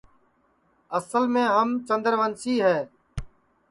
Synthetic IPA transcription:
əsəlmẽːɦəmt͡ʃə̃nd̪əɾʋənsiːɦɛː

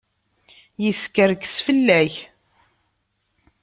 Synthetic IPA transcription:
jəskəɾksfəlːæç

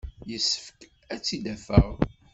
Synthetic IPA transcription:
jəsːəfk | æt͡sːid̪æfəʁ

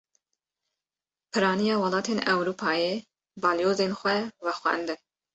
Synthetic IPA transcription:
pʰɨɾɑːnijɑːwɑlɑːt̪ʰeːnɛwɾuːpʰɑːje | bɑːljoːzeːnxʷɛvɛxʷɛ̰nd̪ɨ

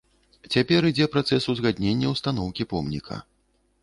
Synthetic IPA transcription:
t͡sʲapʲɛɾid͡zʲɛpɾat̪sɛsuzɣad̪ʲnʲenʲːɐwst̪anɔwkʲipɔmnʲḭkʰɐ̰

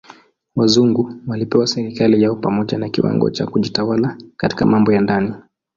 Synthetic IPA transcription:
wazuŋɡuwalipɛwasɛɾikalijaɔpamɔʄanakiwa̰ŋɡɔ̰t͡ʃa̰kuʄitawalakati̥kamambɔjandani

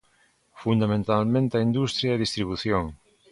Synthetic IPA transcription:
fund̪amẽnt̪almẽnt̪aind̪ust̪ɾjaeðist̪ɾiβ̞uθjoŋ

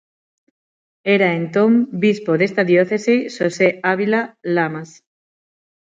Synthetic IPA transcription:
eɾaent̪õmbispoðest̪aðjoθeseʃoseaβilalamas

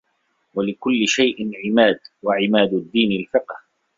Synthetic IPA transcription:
walɪkʊlːɪʃajʔɪnʕɪmaːd̪waʕɪmaːd̪ʊd̪ːiːnalfɪqh

